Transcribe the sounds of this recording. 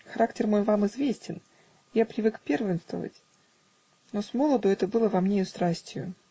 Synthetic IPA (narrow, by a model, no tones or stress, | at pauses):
xɐɾaktʲɪrmo̞jvamɨzvʲesʲtʲɪn | japɾʲɪvɨkpʲervʲɪnst̪və̰və̰tʲ | no̞smo̞lˠəd̪ʊɛt̪əbɨlˠəvɐmnʲejʊst̪ɾasʲtʲɪjʊ